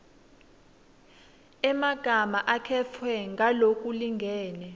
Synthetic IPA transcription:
ɛmaɡ̥ʱamaʔakʰɛfʰwɛŋɡʱalokʼuliŋɡʱɛːnɛ

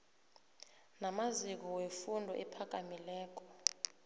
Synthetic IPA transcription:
namazik̬ɔwefundʱɔ̰ʔɛpʰak̬ʼamilɛːk̬ʼɔ̥

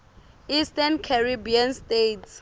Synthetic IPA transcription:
istankʰaribianstets

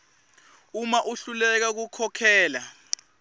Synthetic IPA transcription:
umaʔuɬulɛk̬ak̬ukʰɔkʰɛːla

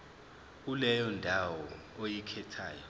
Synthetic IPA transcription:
ulɛjɔndʱawɔ | ojikʰɛtʰaːjɔ

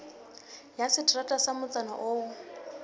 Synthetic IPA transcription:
jasɪtʰʼratʼasamʊt͡sʼana̰ʔoːʊ

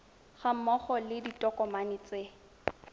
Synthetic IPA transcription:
χamɔχɔlɪditʼɔkʼɔmanɪt͡sʼe

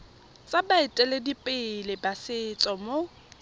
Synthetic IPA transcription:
t͡sʼabaɪtʼɛledipʼɪlɪbasɪt͡sʼɔmo

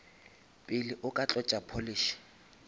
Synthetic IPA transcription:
pʼɪlɪʔʊkʼat͡ɬʼɔt͡ʃʼapʰoliːʃi̥

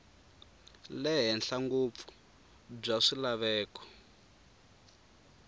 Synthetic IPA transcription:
lɛɦɛnɬaŋɡup̪fu̥ | b͡ʐaʂilaβɛːkɔ̥

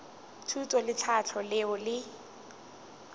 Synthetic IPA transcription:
tʰutʼɔlɪt͡sʰat͡ɬʰɔlɪʊlɪ

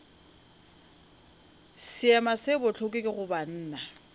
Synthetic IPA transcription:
sɪamasɪbʊt͡ɬʰokʼɪkʼɪɣʊban̩ːna

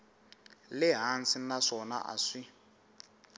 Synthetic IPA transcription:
lɪɦansinaʂɔna̰ʔa̰ʂi

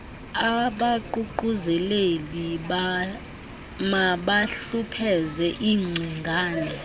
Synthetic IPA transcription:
aɓaǃuǃuzɛleli | maɓaɬupʰɛzɛʔiːŋ͡ǀʱiŋɡʱaːnɛ

